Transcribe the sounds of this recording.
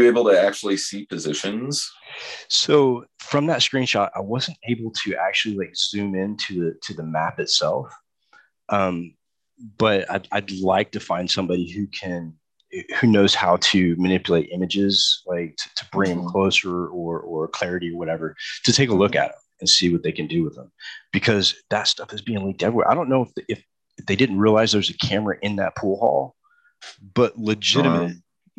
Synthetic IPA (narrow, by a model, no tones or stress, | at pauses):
eɪbl̩ˠtɨæk̚t͡ʃul̩ˠisipʰɨzɪʃɨ̃nz̥soʊfɹʌ̃mðɨtskɹ̥ĩnʃɑɾa̰ɪwʌzn̩teɪbl̩ˠtʰɨʔæk̚t͡ʃʉl̩ˠilaɪkz̥ʉ̃mɪ̃ntʰɨðɨtʰɨðɨmæpɨtsɛlˠf | ʔʌ̃m | b̥ʌɾa̰ɪda̰ɪdˡlaɪk̚tʰɨfãɪ̃nd̥sʌ̃mbɑɾihʉkʰɨ̃n | hʉnoʊz̥haʊɾɨmɨnɪpjl̩eɪɾʔɪ̃mɨd͡ʒɪz̥laɪk̚tʰɨ̥tʰə̥b̥ɹɪ̃ŋ̃mkʰl̥oʊsə˞ə˞ʔə˞kʰl̥ɛɹɨɾiə˞wʌɾɛvə˞ɾɨtʰeɪkəlʊkɨ̰ɾə̰̃mɨ̃nsiwʌt̪̚ðeɪkɨ̃n̩dɨwəðə̰̃mb̥ɨkʰʌzðɨtstʌfɨzbiɪ̃ŋlĩk̚tɛvɹiwɛ̰ɹʔaɪɾõʊ̃nːoʊəfðɨf | ðeɪdɪdⁿn̩t̚ɹiəlaɪzðə˞zɨkʰæmə˞ɨ̰ʔɪ̃nðɨ̰t̚pʰulˠhɔ̰lˠ | b̥ʌtˡlɨd͡ʒɪɾɨmmɨt̚